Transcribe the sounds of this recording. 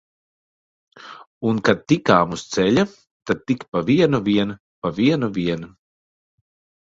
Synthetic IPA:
unkad̪̚t̪ikaːmust̪sɛʎʲa | t̪ad̪̚t̪ikpaviɛnuvʲiɛn | paviɛnuviɛnu

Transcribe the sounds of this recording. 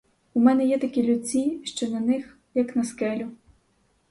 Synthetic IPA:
umɛnɛjɛt̪ɐkʲilʲʊt͡sʲiʃt͡ʃɔnɐnɪx | jɐknɐskɛlʲʊ

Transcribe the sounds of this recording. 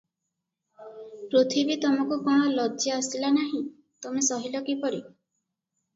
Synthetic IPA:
pɾut̪ʰibit̪ɔmɔkukɔɽ̃ɔlɔdɔast̪ilanaɦĩ | t̪omesɔɦilɔkipɔɽi

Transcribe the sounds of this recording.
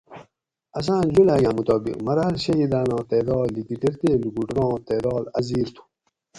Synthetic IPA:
ɐs̬ãːnd͡ʑulaːɡãːmut̪ɔːbḭqmɐɾaːlɕɐɦid̪aːnɑ̃ːt̪eːd̪ɑːd̪likiʈiɾt̪eːluɡuʈɾɑ̃ːt̪eːd̪ɑːlɐziːɾt̪ʰu̥

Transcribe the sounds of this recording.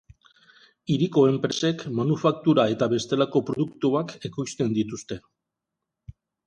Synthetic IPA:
iɾiko̞e̞mpɾe̞se̞kmanufak̚t̪uɾae̞t̪aβe̞st̪e̞lako̞pɾo̞ðukt̪uake̞kojst̪e̞nd̪it̪ust̪e̞

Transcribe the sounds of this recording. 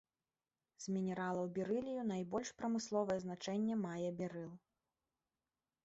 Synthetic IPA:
z̥mʲinʲɛɾalˠɐwbʲiɾɨlʲijunajbɔlʲʂpɾɐmɨslˠɔvɐjɛzn̪at͡ʂɛnʲːɛmajɛbʲɛɾɨlˠ

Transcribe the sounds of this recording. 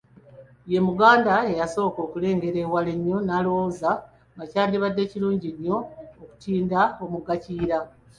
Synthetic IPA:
je̞muɡaːndae̞jaso̞ːko̞ːkule̞ːŋɡe̞ɾe̞waleɲːo̞naːlo̞woza | ŋɡacaːndiβadːe̞ciɾuːɲɟiɲːo̞ːku̥tiːndao̞muɡaciːɾa

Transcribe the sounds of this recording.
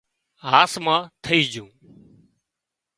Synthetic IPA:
ɦaːsmãːt̪ʰəiːd͡ʒũː

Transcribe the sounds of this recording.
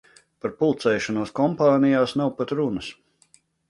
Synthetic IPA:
paɾpulˠt̪sɛjʃɔnuɔskɔmpaːnijaːsnawpat̪ɾunəs

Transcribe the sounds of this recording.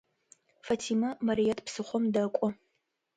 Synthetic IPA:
fɐtʰiːmɐmɐɾijɐtʰʼpsɨχʷɔmdɐkʷʼɔ

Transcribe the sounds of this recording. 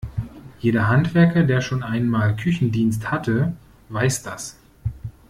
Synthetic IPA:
jeːɾɐɦantv̥ɛɐkɐdeːɐʃoːnʔaɪnmaːlkʰʏçn̩diːnsthatʰə | vaɪsd̥as

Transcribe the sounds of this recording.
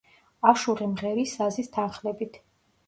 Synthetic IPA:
aʃuʁimʁɛɾisazist̪ʰanχlɛbit̪ʰ

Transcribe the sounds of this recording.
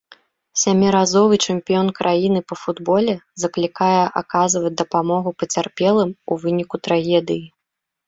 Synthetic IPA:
sʲamʲiɾazɔvɨt͡ʂɨmpʲijɔnkɾʔajinɨpɐfud̪bɔlʲɛzɐklʲikajɛʔakazvɐt͡sʲd̪ɐpamɔɣupɐt͡sʲarpʲɛlˠɨmuvɨnʲikut̪ɾaɣʲɛd̪ɨji

